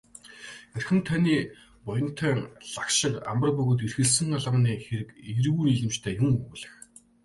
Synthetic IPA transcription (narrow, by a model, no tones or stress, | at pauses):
ærxɘ̆nt̪ʰaniː | pɔjɞ̆n̥t̪ʰœːnɮakʃɪ̆ka̰mpə̆rpɵɣoːt̪̬irxɘ̆ɮsɘ̆ŋaɮʁə̆niːxeɾɘ̆kiɾɣuːniɮɘ̆mt͡ɕt̪ʰæːjuŋɵɣɮɘ̆x